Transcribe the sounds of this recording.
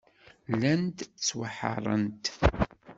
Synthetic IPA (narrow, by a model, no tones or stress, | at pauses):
lænt̪t͡sːwəħɑ̰ɾˤə̰nt̪